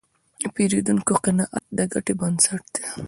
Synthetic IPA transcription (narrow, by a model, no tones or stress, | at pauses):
peɾid̪uŋkoqɪnɑʔat̪̚d̪əɡaʈebɐnd̪saʈd̪̥e